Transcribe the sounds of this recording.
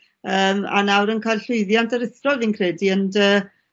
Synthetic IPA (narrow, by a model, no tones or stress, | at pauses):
əːma̰nawɾənkʰajlɬʊɨðjantʰəɾɪθrɔlˠinkʰrɛːdiəndəː